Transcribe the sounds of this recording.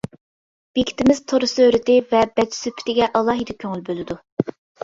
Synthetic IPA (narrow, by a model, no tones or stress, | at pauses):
b̥ekʲʰi̥t̪ɪmɪzt̪ʰoɾɨsøøɾɪt̪ɪvɛbɛt͡ʃsypʰɪ̥t̪ɪɡʲɛʔɑlˠɑːɦid̪ɑkʲʰøŋylbølɪd̪u